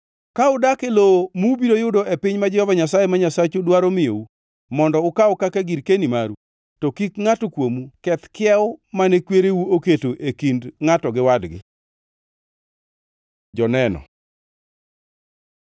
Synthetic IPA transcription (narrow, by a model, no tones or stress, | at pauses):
kaʊdakelomubiɾojʊdoepɪɲmad͡ʒɔɔvaɲasajemaɲasat͡ʃodwaɾomɪjo̰u | mɔndɔʊkaʊkakaɡiɾkenimaɾu | tɔkikŋatokwomukɛt̪kɪɛʊmanɛkweɾewuoketoʔekindŋatɔɡɪwadɡɪ̰ | d͡ʒɔnɛnɔ̰